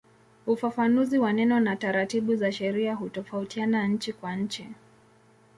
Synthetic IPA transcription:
ufafanuziwanɛnɔnataɾatiɓuzaʃɛɾiaɦutɔfautianaɲ̩t͡ʃikwaɲ̩t͡ʃi

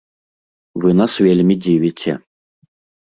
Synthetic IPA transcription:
vɨnasvʲelʲmʲid͡zʲivʲit͡sʲʰɛ̰

